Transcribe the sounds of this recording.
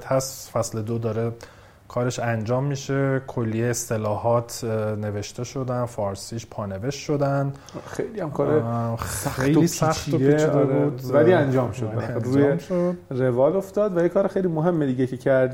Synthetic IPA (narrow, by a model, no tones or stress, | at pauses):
t̪hæsfæsle̞d̪oːd̪ɒːɾe | kʰɒːɾeʃænd͡ʒɒːmːiːʃekʰolːijeːst̪elɒːhɒːt̪ʰne̞ve̞ʃt̪e̞ʃo̞d̪ænfɒːɾsiːʃpʰɒːne̞ve̞ʃʃo̞d̪æn | xḛjlihæmkʰɒːɾeæej̪liːsæxt̪oet͡ʃd̪eɾuːd̪væliænd͡ʒɒːmʃod̪læɾd͡ʒuːjemʃod̪revɒːloft̪ɒːd̪væjekʰɒːɾexejlimoɦe̞mːed̪iːɡecʰecʰæɾd̪